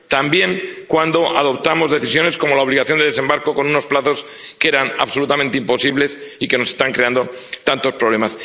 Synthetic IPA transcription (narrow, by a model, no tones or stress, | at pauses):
t̪ambje̞ŋkwand̪o̞ʔaðo̞pt̪amo̞zðe̞θisjo̞ne̞sko̞mo̞lao̞β̞liɣaθjond̪ðesembaɾko̞ko̞nũno̞splaθo̞s | ke̞ɾana̰βso̞lut̪amẽnt̪eimpo̞siβle̞sike̞no̞se̞st̪aŋkɾe̞and̪o̞ | t̪ant̪o̞spɾoβle̞mas